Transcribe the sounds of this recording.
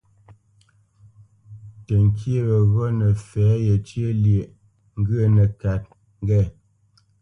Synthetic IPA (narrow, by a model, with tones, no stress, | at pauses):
tə˨ŋ˨kʰje˦˨wə˨ɣɔ˦nə˨fɛː˨˦jɛ˨t͡ʃje˦lje˨ʔ | ŋ̩˦ɡə˦˨nə˨ka˨t̚ | ŋ˦ɡɛ˦˨